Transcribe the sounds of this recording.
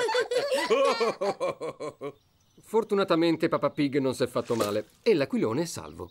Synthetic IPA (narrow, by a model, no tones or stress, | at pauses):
fort̪unat̪ament̪epapapiɡnonsɛfːat̪ːomaːle | elːakwiloːneɛsːa̰lvo̰